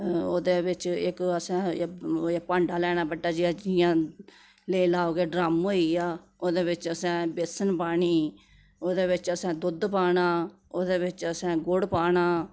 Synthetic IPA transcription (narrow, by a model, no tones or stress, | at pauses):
oːd̪eːʋɪt͡ʃɪkəsɛ̃ː | pãːɳɖaːlɛːɽ̃aːbəʈːaːd͡ʒiːəd͡ʒɪjãː | leilaːoːɡeːɖɾaːmɦoːiːaː | oːd̪eːbɪt͡ʃəsɛ̃ːbɪsənpaːɳiː | oːd̪eːβɪt͡ʃəsɛ̃ːd̪ʊd̪paːɳãː | oːd̪eːβɪt͡ʃəsɛ̃ːɡʊɽpaːɳaː